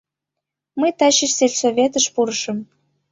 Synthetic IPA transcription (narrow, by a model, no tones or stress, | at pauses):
məjt̪ɑɕiʃselʲsovʲet̪əʃpuɾəʃə̆m